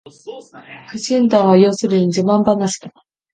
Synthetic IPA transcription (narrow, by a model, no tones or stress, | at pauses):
kɯ̟ɕĩnd̪ãɰ̃βajoːsɨɾɯ̟ɲid͡ʑɨmãmbanaɕi̥d̪a